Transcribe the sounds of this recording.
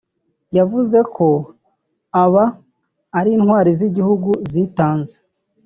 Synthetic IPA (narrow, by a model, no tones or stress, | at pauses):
javuze̞kʰo̞ | aβaː | ɾiːnhwaːɾiziɟihuɡuziːtaːnze̥